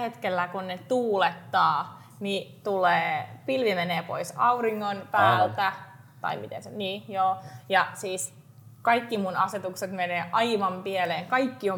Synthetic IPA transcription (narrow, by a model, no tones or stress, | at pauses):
het̪kelːækunnet̪uːlet̪ːɑː | nit̪uleːpilʋimeneːpo̰isɑuriŋːonpæːlt̪æ | t̪ɑ̰imit̪ḛnseniːjoːjɑsiːs | kɑikːimunɑset̪ukset̪meneːʔɑiʋɑmpieleːŋkɑikːio